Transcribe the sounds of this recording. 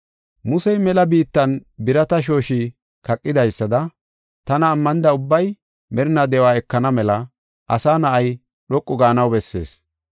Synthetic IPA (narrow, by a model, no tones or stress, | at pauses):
mʊsɛjmɛlɐbiːt̪ːɐnbɪɾɐt̪ɐʃ̬o̞ːʃi | kɐkʼːɪd̪ɐjsːɐd̪ɐ | t̪ɐnɐːmːɐnɪd̪ɐʊbːɐj | mɛɾɪnɐd̪ɛwaːɛkːɐnɐmɛlɐ | ʔɐsaːnɐʔɐj | ɗɔkʼːɔɡaːnɐwbɛsːe̞̰ːs